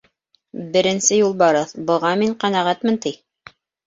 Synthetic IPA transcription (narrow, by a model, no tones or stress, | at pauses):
bɘ̆ɾɘ̆nsɘjulˠbɑɾɤθbɤ̆ʁɑmiɴqænæʁæt̪mɘ̆nt̪ij